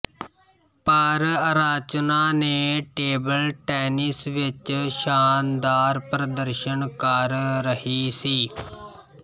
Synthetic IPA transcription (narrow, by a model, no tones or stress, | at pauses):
paːɾaɾaːt͡ʃnaːneːʈeːbəlʈɛːnɪsʋɪt͡ʃʃaːnd̪aːɾpɾəd̪əɾʃənkəɾːəhiːsiː